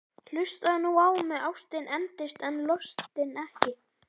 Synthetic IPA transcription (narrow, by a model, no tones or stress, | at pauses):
l̥ʏst̪aðnuaːwmːɛawst̪ɪnɛnt̪ɪst̪ɛnlɔst̪ɪnɛhcɪ